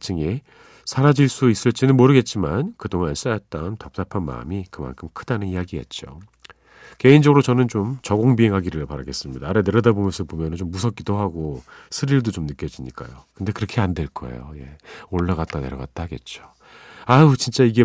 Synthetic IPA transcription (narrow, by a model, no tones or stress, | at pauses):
t͡ɕʰɯŋe | sʰaɾad͡ʑiɭs͈uis͈ɯɭt͡ɕ͈inɯnmoɾɯɡe̞t̚t͡ɕ͈imankɯdoŋans͈ajʌt̚t͈antʌp̚t͈apʰanma̰ɯ̰mikɯma̰nkʰɯmkʰɯd̥anɯnijaɡiɦe̞̰t̚t͡ɕ͈o | ke̞ind͡ʑʌɡɯɾot͡ɕʌnɯnt͡ɕomt͡ɕʌɡoŋbiɦe̞ŋɦaɡiɾɯɭpaɾaɡe̞s͈ɯmɲidaːɾeneɾʌdabomjʌnsʰʌpomjʌnɯnt͡ɕomːusʰʌk͈idoɦaɡosʰɯɾiɭdot͡ɕomnɯk͈jʌd͡ʑiɲik͈a̰jokɯnde̞kɯɾʌkʰe̞andwe̞ɭk͈ʌ̰ḛjo̰je̞̰oɭːaɣat̚t͈ane̞ɾʌɡa̰t̚t͈aɡe̞̰t̚t͡ɕ͈o | at͡ɕint͡ɕ͈aiɡe̞